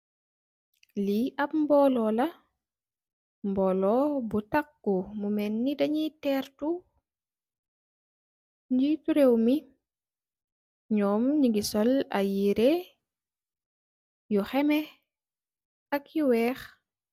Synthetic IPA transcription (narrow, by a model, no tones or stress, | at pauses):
liʔɐp̚mbɔːlɔːlɐ | mbɔːlɔbutakːumumɛnːidɐɲitɛɾtu | ɲd͡ʒituɾewmi | ɲɔːmɲiɡisɔla̰jiɾe | juxɛmɛ | ɐkjuwɛːx